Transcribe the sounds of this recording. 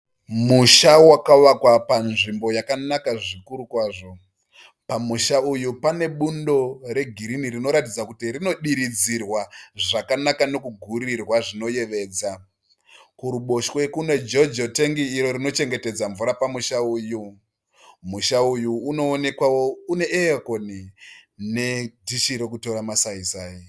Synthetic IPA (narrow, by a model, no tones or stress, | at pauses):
muʃawakaʋakwapanʐimbo̞jakanakaʐikuɾukwaːʐo̞ | pamuʃaujupane̞ɓundo̞ɾe̞ɡʱiɾinirino̞ɾatid͡zakutirino̞ɗiɾid͡zirwaʐakanakano̞kuɡʱuɾirwaʐino̞je̞ʋe̞ːd͡za | kuɾuɓo̞ʃwe̞kune̞d͡ʒo̞d͡ʒote̞ŋɡiːɾo̞ɾino̞t͡ʃe̞ŋɡe̞te̞d͡zaɱvuɾapamuʃauːju | muʃaujuːno̞ːne̞kwawoune̞ʔeakoni | ne̞dʱiʃiɾe̞k̬uto̞ɾamasaisaːji